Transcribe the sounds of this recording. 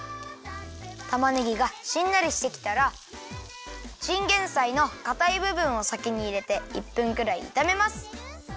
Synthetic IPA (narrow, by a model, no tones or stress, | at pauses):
t̪amanɯɡʲiɡaɕĩnːaɾʲiɕi̥t̪e̞kʲi̥t̪aɾa | ɕĩŋɡẽ̞ɰ̃saino̞kat̪aibɯ̟bɯ̟̃ɰ̃o̞sakʲiɲ̟iːɾe̞t̪e̞ipːɯ̟̃ŋkɯ̟ɾaḭːt̪ame̞masɨ̥